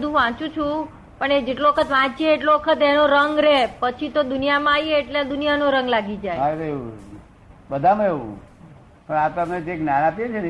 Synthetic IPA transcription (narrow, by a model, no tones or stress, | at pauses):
d̪ʱũʋãt͡ʃũt͡ʃʰũ | pəɳed͡ʒeʈloʋəkʰət̪ʋãt͡ʃieːʈloʋəkʰət̪enoɾəŋɡɾepət͡ʃʰit̪od̪unijamãajeːʈlead̪unijanoɾə̃ŋɡlaɡid͡ʒajateu | bəd̪ʱam̃eʋṵ̃ | pəɳat̪omt͡ʃeknanapijet͡ʃʰen